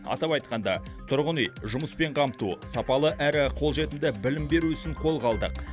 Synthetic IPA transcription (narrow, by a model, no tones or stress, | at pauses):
ɑ̰t̪ɑpɑjt̪̚qɑnd̪ɑt̪ʰʊɾʁʊnəjʒʊməspe̞ɴqʰɑmt̪usɑpɑlˠəʔæɾɪqʰo̞lˠʒe̞t̪ɪmd̪ɪbɪlɪmbe̞ɾuɪsɪɴqʰo̞lˠʁɑlˠd̪ə̰q